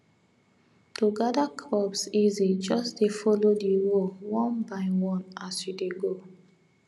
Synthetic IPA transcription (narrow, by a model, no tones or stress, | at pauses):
toɡadakʰlɔpsizid͡ʒɔsdefɔlodiwowɔ̃nbaɪwɔ̃nasjudeɡo